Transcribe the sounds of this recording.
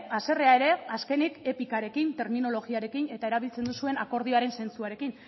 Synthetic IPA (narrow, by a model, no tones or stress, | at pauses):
ase̞re̞ae̞ɾe̞aske̞nike̞pikaɾe̞kint̪e̞ɾmino̞lo̞ɣiaɾe̞kine̞t̪ae̞ɾaβ̞ilt͡se̞nd̪usue̞nako̞ɾð̞io̞aɾe̞nse̞nt͡suaɾe̞kin